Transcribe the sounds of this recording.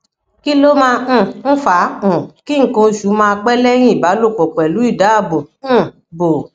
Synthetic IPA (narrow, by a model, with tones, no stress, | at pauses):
ki˦lo˦mã˦˧˦n̩˦fã˨˦˨ki˦ŋ̩˦kõ˧ʃu˨˦mãː˧k͡pɛ˦lɛ˦j̃ĩ˦i˨ba˨˦lo˦˨k͡pɔ˨k͡pɛ˨lu˨˦i˦˨da˨˦a˦˨bõ˨˦˨ | bo˨